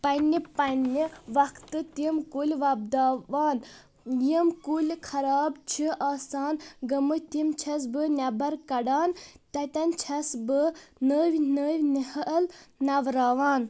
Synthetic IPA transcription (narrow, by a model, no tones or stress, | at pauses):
pɐnʲipɐnːiʋɐkʰt̪ɨt̪imkulʲʋɐb̚d̪aːʋaːn | jimkulʲkʰɐɾaːbt͡ʃʰiʔaːsaːnɡɐmɨt̪imt͡ʃʰɐs̬bɨnʲabɐɾkɐɖaːnt̪ɐt̪ɐnt͡ʃʰɐsbɨnəːʋʲnəːʋʲnihəʔlnɐʋɾaːʋaːn